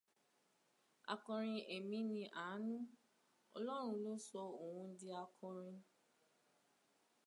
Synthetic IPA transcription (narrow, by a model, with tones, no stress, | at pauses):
a̰˨kɔ̃˧ɾ̃ĩ˧ʔɛ˨mĩ˨˦nĩ˧ʔa˨˦nũ˦ | ɔ̰˧lɔ˦ɾ̃ũ˧lo˦sɔ˧o˨wũ˧n̩˦di˧a˧kʰɔ˧ɾ̃ĩ˧